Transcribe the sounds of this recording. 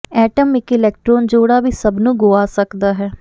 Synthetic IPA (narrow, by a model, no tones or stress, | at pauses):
ɛːʈəmɪkɪlɛːk̚ʈɾoːnd͡ʒoːɽaːʋiːsəbnũːɡoːaːsəkd̪aːɦɛː